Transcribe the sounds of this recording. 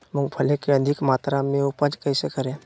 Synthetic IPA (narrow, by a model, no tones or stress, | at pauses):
mʊ̃ŋɡpʰəlekeəd̪ʱɪkmaːt̪ɾamẽʊpəd͡ʒkəɪsekəɾẽ